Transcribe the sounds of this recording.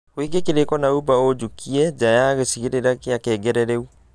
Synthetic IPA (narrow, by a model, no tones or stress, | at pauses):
weɡekeɾekɔnaubaod͡ʑukʰiɛd͡ʑajaɣesiɣeɾeɾakeakɛːɡɛɾɛɾɛu